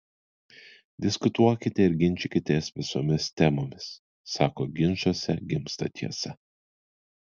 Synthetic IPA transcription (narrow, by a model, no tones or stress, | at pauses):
d̪ʲɪskʊt̪uɔkʲɪt̪ʲɛɪɾɡʲɪnʲˑt͡ʃʲɪkʲɪt̪ʲeːsʋʲɪsoːmʲɪst̪ʲɛmoːmʲɪsː | ɑːkoːɡʲɪnʃoːsʲɛɡʲɪmst̪ɐ̰t̪ʰʲḭɛsɐ